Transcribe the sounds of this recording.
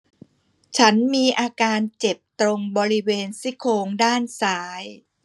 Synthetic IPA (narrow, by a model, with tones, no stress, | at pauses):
t͡ɕʰa˦˥nmiː˧ʔaː˧kaː˧nt͡ɕe˨˩p̚t̪ɾo˧ŋbɔː˧ɾi˦˥weː˧nsi˦˥kʰoː˧ŋdaː˥˩nsaː˩˦j